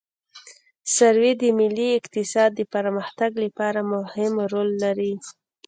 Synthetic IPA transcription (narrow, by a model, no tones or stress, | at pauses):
saɾwid̪əmɪlːiɪqt̪ɪsɑd̪̚ːəpaɾməxt̪aɡlapɑɾamʊhɪmɾolːaɾi